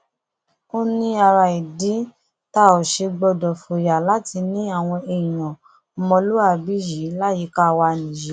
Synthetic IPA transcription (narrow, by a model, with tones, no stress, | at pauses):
o˦nĩ˦a˧ɾa˧i˨di˨˦ | ta˧˦o˨ʃe˧ɡ͡bɔ˧dɔ˨fo˨ja˨la˦ti˧nĩ˦a˦˨w̃ɔ̃˧e˧ĩ˨j̃ɔ̃˨ | mɔ̃˧lu˦a˦˨bi˦ji˨˦la˦ji˨˦ka˦˨wa˧nĩ˨ji˨˦